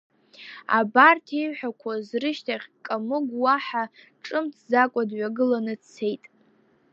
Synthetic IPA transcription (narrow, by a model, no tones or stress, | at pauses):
a̰bartʰijɥħʷᶣakʷʰazrɨʃtʰaχʲkʼamɨɡwaħa | ʈ͡ʂʼɨmtʰzakʷʼadɥaɡɨlanɨt͡sʰe̞jtʼ